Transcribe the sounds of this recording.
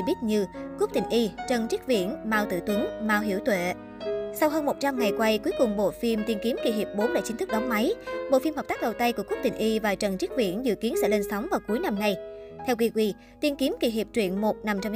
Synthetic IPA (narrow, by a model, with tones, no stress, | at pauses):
ɓi˦˥t̚ɲɨ˧kp̚t̪ï˨˩ŋ̟ʔi˧t͡ɕə˨˩nt͡ɕi˦˥k̚vḭ˧˨ənmaː˧wt̪ɨ̰˧˨t̪wi˨˦nmaː˧wɦḭ˧˩əwt̪wḛ˧˨ | sa˧wɦəː˧nmo˨˩t̚t͡ɕa˧mŋa˨˩jkwa˧jku˨˦jkʊ˨˩ŋ͡mɓo̰˧˨fi˧mt̪i˧nki˨˦mki˧˩ɦi˨˩əp̚ɓo˨˦nla̰ː˧˩jt͡ɕi˨˦nt̪ɨ˦˥k̚ɗa˨˦wŋ͡mma˨˦jɓo̰˧˨fi˧mhə˨˩t̪aː˦˥k̚ɗə˨˩wt̪a˧jku˧˩əkp̚t̪ï˨˩ŋ̟ʔi˧vaː˨˩t͡ɕə˨˩nt͡ɕi˦˥k̚vḭ˧˨ənzɨ̰˧˨ki˨˦ənsɛ̰˧˥le˧nsa˨˦wŋ͡mvaː˨˩wku˨˦əjna˧mŋa˨˧jt̪ʰɛ˧wki˧kwi˧ | t̪i˧ənki˨˦əmki˧˩ɦi˨˩əp̚t͡ɕwḭ˧˨ənmo˨˩t̚na˧mt͡ɕm